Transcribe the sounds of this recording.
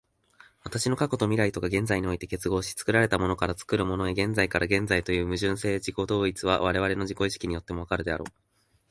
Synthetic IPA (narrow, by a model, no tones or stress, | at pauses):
βat̪aɕino̞kako̞t̪o̞mʲiɾait̪o̞kaɡẽ̞nd͡zaiɲ̟io̞it̪e̞ke̞t͡sɨɡo̞ːɕi̥t͡sɨ̥kɯ̟ɾaɾe̞t̪amo̞no̞kaɾat͡sɨ̥kɯ̟ɾɯ̟mo̞noeɡẽ̞nd͡zaikaɾʔaɡẽ̞nd͡zait̪o̞jɯ̟ːmɯ̟ʑɨ̃ɰ̃se̞ːd͡ʑiko̞d̪o̞ːit͡sɨβa̰β̞aɾe̞β̞aɾe̞no̞ʑiko̞iɕi̥kʲiɲ̟ijo̞t̪ːe̞mo̞β̞akaɾɯ̟d̪e̞aɾo̞̰ː